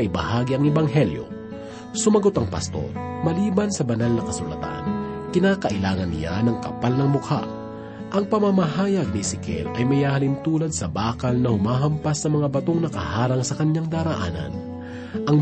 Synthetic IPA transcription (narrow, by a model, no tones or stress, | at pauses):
ʔɪbɐhaːɡiɐŋɛbɐŋɦɛljo̞̰ | sʊmɐɡo̞t̪ɐŋpɐ̰st̪o̞̰ɾmɐliːbɐnsɐbɐnalnɐkɐsʊlɐ̰t̪a̰nkɪnaːkɐʔɪlaːŋɐnːɪ̰ja̰nɐŋkɐ̰palnɐŋmʊkʰa̰ | ʔɐŋpɐmamɐɦaːjɐɡ̚nisɪkɛ̰lʔɐjmɐjhaːhɐlɪnt̪uːlɐd̪̚sɐbaːkɐlnɐhʊmaːɦɐmpɐsːɐmɐŋabɐt̪o̞ŋnɐkɐhaːɾɐŋsɐkɐɲaŋd̪aːɾɐʔa̰ːnɐ̰n | ʔɐŋ